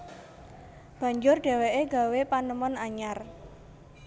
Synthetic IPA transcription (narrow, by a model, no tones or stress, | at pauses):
b̥ä̤ɲd͡ʒʊrɖ̥e̤weʔeɡ̥a̤wepanəmɔnaɲar